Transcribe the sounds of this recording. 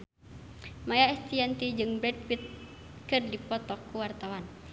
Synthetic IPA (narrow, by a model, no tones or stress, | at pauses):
majaɛst̪iɛnt̪id͡ʒɨŋbɾɛd̚fit̪̚ | kɨrdipɔt̪ɔkːuwart̪awan